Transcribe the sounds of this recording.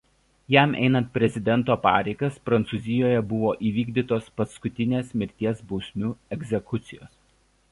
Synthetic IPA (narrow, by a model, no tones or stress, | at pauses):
jæˑmʔɛ̰ɪnɐnt̪̚pʲɾʲɛzʲɪd̪ʲɛnˑt̪oːpɑ̰ːɾʲɛɪɡɐspɾɐnt̪suːzʲɪjoːjɛbʊʋoːʔiːʋʲiːɡd̪ʲiːt̪oːspɐskʊt̪ʲɪnʲeːsmʲɪɾʲt̪ʲiɛsbɔʊsʲmʲuːɛɡʲzʲɛkʊt̪sʲɪjoːs